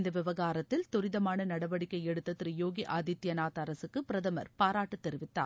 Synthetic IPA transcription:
nd̪ɐʋɪʋɐɣaːɾɐt̪ːɪlt̪ʊɾɪðɐmaːnɐnɐɽɐʋɐɽɪkːɐɪɛɽɯt̪ːɐt̪ɪɾɪjoːɡiʔaːd̪ɪt̪ːjɐnaːt̪ɐɾɐsɯkːɯpɪɾɐðɐmɐ̰ɾpaːɾaːʈːɯt̪ːɛɾɪʋɪt̪ːa̰ːɾ

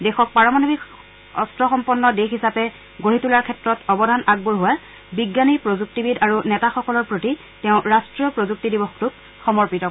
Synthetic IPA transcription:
dɛxɔk̚paɹɔmanobik | ɔstɹɔxɔmpɔnːɔdexisapɛ | ɡoɹitulaɹkʰɛtɹɔtɔbɔdʱanaɡ̚buɹɦʊwa | biɡjanipɹozuk̚tibidaɹunɛtaxɔkɔlɔɹpɹoti | tɛʊ̃ɹastɹijɔpɹozuk̚tidibɔxtuk | xɔmɔɹpitɔ

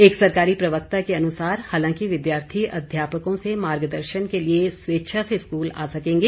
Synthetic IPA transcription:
eːksɐɾkaːɾipɾɐʋək̚t̪akeɐnʊsaːɾhaːlãːkiʋɪd̪jaːɾt̪ʰiʔɐ̰d̪ʱjaːpəkõsemaːɾɡd̪əɾʃənkeliesʋeːʃʰaseɪskuːla̰ːsɐkẽːŋɡeː

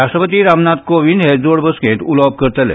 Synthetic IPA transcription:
ɾaːʃʈəpət̪iɾamnaːt̪̚koʋind̪ɦed͡zoːɽbəskẽʈ̪ulɔːb̚kəɾt̪əlḛ

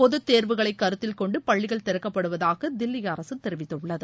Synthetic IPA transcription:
pɔðɯt̪ːeːɾʋɯɣɐɭɐɪkːɐɾɯt̪ːɪlkɔɳɖɯpɐɭːɪɣɐɭt̪ɛɾɐkːɐpːɐɽɯʋɐðaːɣɐd̪ɪlːɪjɐːɾɐsɯt̪ːɛɾɯʋɪt̪ːɯɭːɐðɯ

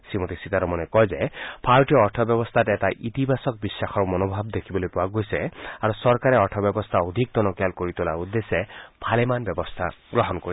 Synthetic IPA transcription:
simot̪isit̪aɾɔmɔnɛkɔjzɛpʰaɹʈijɔːɹtʰɔbjɔbɔst̪ʰatɛtaʔit̪ibʱasɔk̚bisːaxɔɹmɔnobʱabd̪ekʰibɔlojpʊaɡojsɛaɹusɔɹkaɾɛɔɹtʰɔbjɔbɔst̪ʰaod̪ʱik̚t̪ɔnɔkjalkoɹit̪ulaɹud̪ːesɛbʱalɛmanbjɔbɔst̪ʰa̰ɡɹɔɦɔnkoi

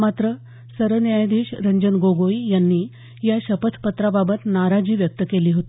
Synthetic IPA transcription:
mat̪ɾə | səɾʋənjajd̪iːɕɾəɲd͡ʑənɡoɡoijanːiː | jaɕəpət̪ʰpət̪ɾababət̪naɾad͡ʑiːʋjək̚t̪əkeliːɦot̪i

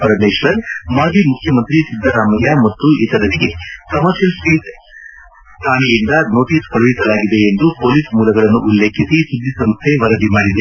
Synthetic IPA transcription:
pɐɾɐmeːʃʋɐɾmaːd͡ʒʱimukʰjɐmɐnt̪ɾisid̪ʱːɐɾaːmɐjamɐt̪ːuit̪ɐɾɐniɡe̞kɐmɐɾʃjɐlsʈit̪ | st̪ʰaːnijind̪ɐno̞ːʈiːskɐɭɐʋisɐlaːɡid̪e̞ːnd̪upoːlismuːlɐɡɐɭɐnːuʔulːeːkʰisisud̪ʱːisɐmst̪ʰeʋɐɾɐd̪imaːɽid̪e

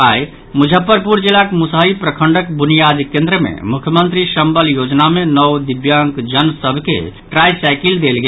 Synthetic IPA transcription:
aj | mud͡ʒʱəpːəɾpuɾd͡ʒilakmusaipɾəkʰəɳɖəkbunijad̪ikẽnd̪ɾəmḛmukʰjəmənt̪ɾiʃəmbəljod͡ʒnamenɔwd̪ibjaŋkd͡ʒənsəbʱkḛʈɾajsajkild̪elɡe

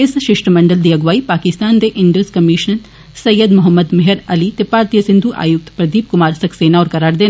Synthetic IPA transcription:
ɪsʃɪʂʈɐmɐɳɖɐld̪iɐɡʋaːipaːkɪst̪aːnd̪eːʔɪɳɖoskɐmiʃnɐn | sɐjːɐd̪mʊɦɐmːɐd̪meɦeɾɐlit̪ɪpːaːɾt̪ijɐsind̪ʱuːʔa̰ːjuk̚t̪pɾɐd̪iːb̚kʊmaːɾsɐkseːnaɔːɾkɐɾaːɾd̪eːn

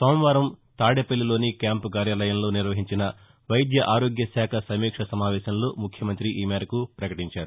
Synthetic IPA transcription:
soːmʋaːɾɐmt̪aːɽepɐlːilo̞ːnikjaːmpukaːɾjaːlɐjɐmlo̞ːniɾʋɐɦiɲt͡ʃinɐ | ʋɐjd̪jɐʔaːɾoːɡjɐsaːkʰɐsɐmiːkʂɐsɐmaːʋɛːsɐmloːmukʰjɐmɐnt̪ɾiʔiːmeːɾɐkupɾɐkɐʈiɲt͡ʃaːɾu

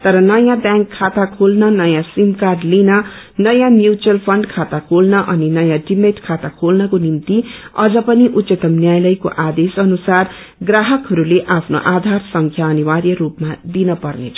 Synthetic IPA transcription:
t̪ʌɾʌnʌjãbjãŋkʰːat̪akʰolnʌnʌjãsimkaɖlinʌ | nʌjãmjut͡ʃʌlpʰʌɳɖkʰat̪akʰolnʌʔʌninʌjãɖimeʈkʰat̪akʰolnʌkonimt̪iʌd͡zʌpʌniʔut̪sʌt̪ʌmnjajlʌjko̰ʔad̪esʌnusar | ɡraɦʌkɦʌɾuleʔapʰno̰ʔad̪ʱarsʌŋkʰjaʌniwarjʌɾupmad̪inʌpʌrnḛt͡sʰʌ

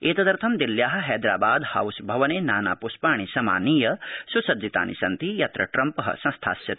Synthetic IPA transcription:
eːt̪ɐd̪ɐɾt̪ʰɐmd̪iljaːɦɐ̆ɦɛːd̪ɾa̰ːbaːd̪ha̰wsbʱɐʋɐneːnaːna̰ːpuspaːɳ̃isɐma̰ːniːjɐsusɐd͡ʒit̪a̰ːnʔḭsɐnt̪ijɐt̪ɾɐ̰ʈɾɐmpɐɦɐ̰sɐ̃nst̪ʰa̰ːsjɐt̪i̥

